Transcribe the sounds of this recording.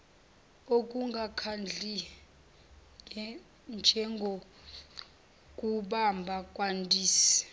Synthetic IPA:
ok̬ʼuŋɡʱakʰand͡ɮʱi | nd͡ʒʱɛŋɡʱo | kʼuɓambʱakʼwantʼiːsi̥

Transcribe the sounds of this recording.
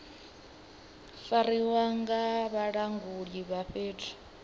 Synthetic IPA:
faɾiwaŋɡaβaɺaŋɡuɺiβaɸeːtʰḁ

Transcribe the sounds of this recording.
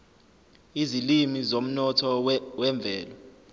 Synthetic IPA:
izilimizom̩nɔtʰɔwɛɱb̪vʱɛːlɔ

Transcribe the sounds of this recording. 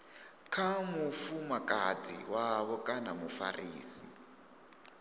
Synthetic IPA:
kʰamufumakʼad͡zḭwaβɔkʼanamufa̰riːsi

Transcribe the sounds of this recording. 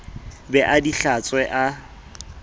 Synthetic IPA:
bɛʔadiɬat͡sʼwɛʔa

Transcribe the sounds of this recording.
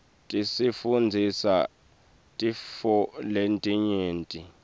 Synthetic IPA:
tʼisifund͡zʱisa̰ | tʼifɔlentʼiɲeːntʼi

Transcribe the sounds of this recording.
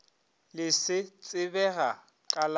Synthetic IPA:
lɪsɪt͡sʼɪbɛɣa | kʼal

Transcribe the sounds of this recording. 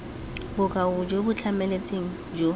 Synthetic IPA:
bʊkʼaʊd͡ʒobʊt͡ɬʰamɛlet͡sʼeŋ̩d͡ʒo

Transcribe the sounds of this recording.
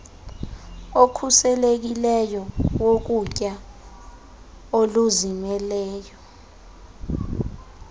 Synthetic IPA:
okʰusɛlek̬ilɛjɔwok̬ucʼa | oluzimɛlɛːjɔ

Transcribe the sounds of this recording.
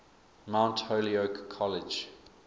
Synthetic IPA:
mãʊ̃ntholiokʰːɔlɪd͡ʒ

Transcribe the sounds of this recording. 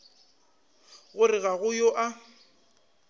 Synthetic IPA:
ɣʊrɪɣaɣʊjoʔa

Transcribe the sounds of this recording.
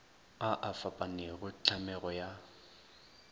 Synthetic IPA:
aʔafapʼanɪɣʊt͡ɬʰamɛɣɔja

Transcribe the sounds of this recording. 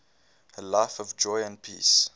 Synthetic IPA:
əlaɪfɔvd͡ʒɔɪə̃n̚pʰḭːs

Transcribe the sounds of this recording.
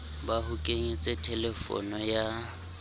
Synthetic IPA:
bahʊkʼeɲit͡sʼɛtʰɛlɛfɔ̰nɔja

